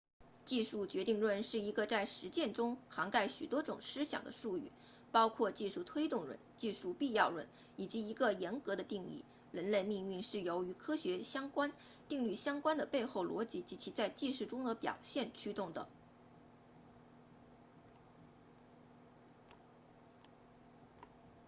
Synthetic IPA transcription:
t͡ɕi˥˧ʂu˥˩t͡ɕɥɛ˧˥t̪i˥˧ŋlwə˥˧nʂɻ̩˥˩i˧˥ɡə˧t͡sa˥˩ɪʂɻ̩˧˥t͡ɕjɛ˥˩nʈ͡ʂʊ˥ŋxɑ˧˥ŋka˥˩ɪɕy˨˩t̪wɔ˥ʈ͡ʂʊ˨˩ŋʂɻ̩˥ɕjɑ̰˨˩ŋd̪ə̰˦ʂu˥˧y̰˥˩ | pɑ˥ʊkʰwɔ˥˧t͡ɕi˥˧ʂu˥˩t̪ʰwe˥ɪt̪ʊ˥˩ŋɻwə̰˧˥nt͡ɕi˥˧ʂu˥˧pi˥˧jɑ˥˩ʊɻwə̰˥˩n | i˨˩t͡ɕi˧˥i˧˥ɡə˧jɛ˧˥nkɤ˧˥d̪ə˧t̪i˥˧ŋḭ˥˩ | ɻə˧˥nle˥˧ɪmi˥˧ŋy˥˧nʂɻ̩˥˩jo˧˥ʊy˧˥kʰɤ˥ɕɥɛ˧˥ɕjɑ˥ŋkwa˥n | t̪i˥˧ŋly˥˩ɕjɑ˥ŋkwa˥nd̪ə˨pe˥˧ɪxo˥˩ʊlwɔ˧˥t͡ɕi˧˥t͡ɕi˧˥t͡ɕʰi˧˥t͡sa˥˧ɪt͡ɕi˥˧ʂu˥˩ʈ͡ʂʊ˥ŋd̪ə˨pjɑ̰˨˩ʊɕjɛ˥˩nt͡ɕʰy˥t̪ʊ˥˩ŋd̪ə̰˩

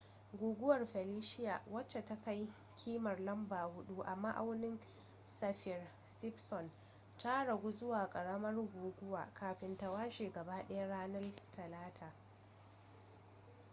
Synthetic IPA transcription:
ɡʷuː˨ɡʷʊ˦wɐ˨rɸɛ˨liː˦ʃɪ˦ja̰ː˨wɐ˦t͡ʃːe˨ta˦ka˦j | kʲʰiː˦mɐ˨rlɐ˦mbaː˨hʊ˦ɗu˦ʔa˨ma˦ʔa˦wnɪ˦ŋ | sɐ˨ɸɪ˨r | sɪ˦psɔ˨n | ta˦ɽɐ˨ɡʷu˦zʊ˦waː˨kʼɐ˨ɽɐ˦mɐ˦rɡʷuː˨ɡʷʊ˦waː˨kʰaː˨ɸɪ˨nta˨waː˦ʃeː˨ɡɐ˨baː˦ɗɐ˦ja˦ɽaː˦nɐ˦rtʰɐ˨laː˦tʰaː˨

